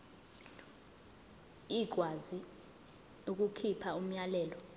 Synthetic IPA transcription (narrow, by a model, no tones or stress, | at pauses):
iɡ̥ʱwazi | uk̬ʼukʰipʰaum̩ɲalɛːlɔ